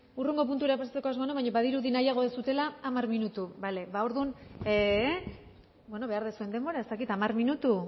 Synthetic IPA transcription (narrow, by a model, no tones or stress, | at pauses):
ureŋɡo̞p̬unt̪ueɾapasat͡sekoazmanoβaɲoβaðiɾuðinajaɣ̞o̞sut̪e̞laːmaɾminut̪ubale̞βao̞ɾðune | bwe̞no̞βe̞aɾðesue̞nd̪e̞mbo̞ɾae̞st̪akit̪amarminut̪u